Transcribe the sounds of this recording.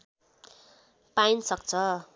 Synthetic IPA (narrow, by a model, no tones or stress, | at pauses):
painsʌk̚t͡sʰʌ